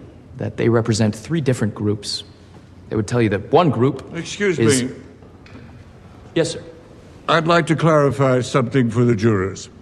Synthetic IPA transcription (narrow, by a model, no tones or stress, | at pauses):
ðɨ̰t̪̚ðḛɪɹɛpɹɨzɛ̃nθɹidɪfɹɨ̃nɡ̥ɹʉps | ðeɪwɨd̚tʰɛlˠjɨðɨt̚wʌ̃nɡɹupɨkskjʉzɪmiz | jɛsə | aɪdˡlaɪk̚tʰɨkʰl̥æɹɨfaɪsʌ̃mθɪ̃ŋfə˞ðɨd͡ʒʊɹəz̥